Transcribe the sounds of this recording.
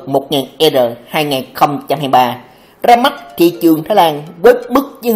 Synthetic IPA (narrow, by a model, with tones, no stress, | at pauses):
mo˨˩t̚ŋaː˨˩nʔɛ˧zəː˨˩haː˧jŋaː˨˩jxə˧wŋ͡mt͡ɕa˧mhɦaː˧jɓaː˧ | zaː˧ma˦˥t̚t̪ʰḭ˧˨t͡ɕɨ˨˩əŋt̪ʰaː˨˦laː˧nvəː˨˦jmɨ˦˥k̚z